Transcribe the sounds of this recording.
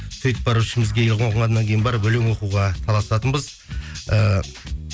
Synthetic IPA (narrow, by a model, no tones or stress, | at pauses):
sʰɵjt̪bɑɾuʃɪmɪzɡʲejɪlqʰoʁəɴɑd̪ɑŋkʲʰe̞jɪnbɑɾbɵlɪŋwo̞quʁɑt̪ʰɑlˠɑst̪ɑt̪ənbəz | ə